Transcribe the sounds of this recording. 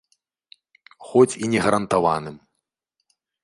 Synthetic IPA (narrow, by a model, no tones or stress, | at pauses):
xɔt͡sʲinʲɛɣɐɾɐnt̪ava̰nɨm